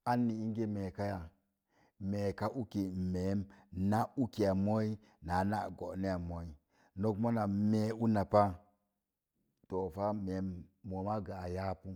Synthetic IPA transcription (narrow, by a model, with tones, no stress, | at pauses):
a˦nːi˨i˦ŋ˦ɡe˦me˨ka˦ja˨ | me˨ka˦ʔu˦ki˨me˨˦mna˦u˦ki˨a˨mo˦i˦ | na˨˦na̰˦˨ɡo˨ni˦ja˨mo˨i˦ | no˦kmo˦na˨me˨˦u˦na˨pa˦ | to˨fa˦me˨˦mːo˨ma˦ɡa˨a˨ja˦pu˦